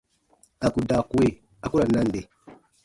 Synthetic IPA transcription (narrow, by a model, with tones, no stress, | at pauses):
a˨ku˨da˨ku˨˦we˦˨ | a˨ku˦ɾa˨na˦n˨de˨